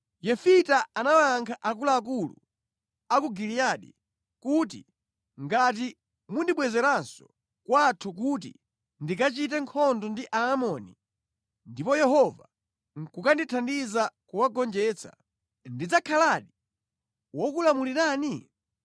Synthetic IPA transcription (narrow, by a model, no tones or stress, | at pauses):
jɛfitaanawaŋkʰaʔakulaːk̬ulṵ | akuɡilijaɗḭ | kut̬ḭ | ŋɡat̬i | mundiɓwɛzɛɾansɔ̥ | kwatʰuk̬ut̬ḭ | ndikat͡ʃit̬ɛŋkʰɔndɔndiʔaːmɔni | ndipɔjɛɦɔva̰ | kukanditʰandizakuwaɡɔnd͡ʒɛːt͡sḁ̰ | ndid͡zakʰalaɗi | wɔkulamuliɾaːni